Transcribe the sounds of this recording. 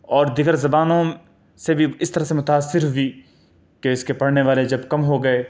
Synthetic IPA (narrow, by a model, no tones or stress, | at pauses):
ɔːɾd̪ɪɡəɾzɐbaːnõ | sebʱiɪst̪ɐɾaɦsemʊt̪aːsːɪɾɦʊi | keɪskepɐɽneʋaːled͡ʒɐbkɐmɦoɡɐeː